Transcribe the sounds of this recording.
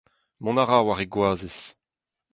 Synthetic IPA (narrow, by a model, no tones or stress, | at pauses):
mɔ̃naʁawaʁeɡwaːzes